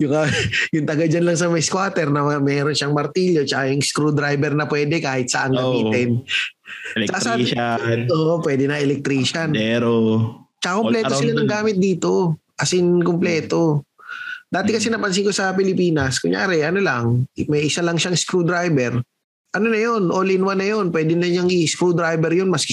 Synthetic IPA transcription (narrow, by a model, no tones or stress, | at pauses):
jʊŋkɐjʊŋt̪ɐɡad͡ʒanlɐŋs̬ɐmɐjskwaːt̪ɛɾnɐmɛːɾonʃɐŋmɐɾt̪iʎjo̞t͡ʃɐkajʊŋskɾud̪ɾajbɛɾnɐpwɛːd̪ɛkaːhɪt̪̚sɐʔanɡɐiːɪn | t͡ʃɐkasa | oːʔopwɛːd̪ɛnɐʔɛlɛk̚t̪ɾiːʃɐnɛɾ | t͡ʃɐkakoplɛːt̪osɪlanɐŋɡaːmɪt̪̚d̪iːt̪o̞ | ʔɐsɪnkomplɛːt̪o̞ | d̪aːt̪ɛkɐsɛnɐpɐns̬ɪŋko̞sɐpɪlɪpiːnɐskʊŋja̰ːɾɛʔɐno̞laŋmɐjʔɪsalɐŋʃaɐŋskɾud̪ɾajbɛɾ | ʔɐnonɐjo̞nʔolɪnwanːɐjo̞npwɛːd̪ɪnɐɲaŋʔɪskɾud̪ɾajbɛɾjonmɐs